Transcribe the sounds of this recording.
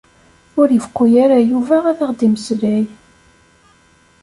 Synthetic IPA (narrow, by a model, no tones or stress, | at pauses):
ʊɾjəfkʷːujæɾæjuvææðæʁd̪iməsɾæj